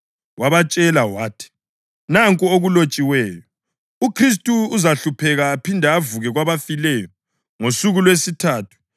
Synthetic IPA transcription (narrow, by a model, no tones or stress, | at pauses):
wʔaβat͡ʃʼɛlawaːtʰi̥ | naŋkʼɔoɣulot͡ʃʼiwɛːjɔ | ukʰris̬tʼuːzaɬupʰɛɣaːpʰindʱaːvuɣɛɣwaβafilɛjɔ | ŋosuɣulwesitʰaːtʰu̥